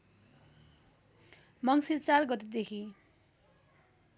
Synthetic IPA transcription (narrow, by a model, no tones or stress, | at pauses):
mʌŋsirt͡sarɡʌt̪ed̪ekʰi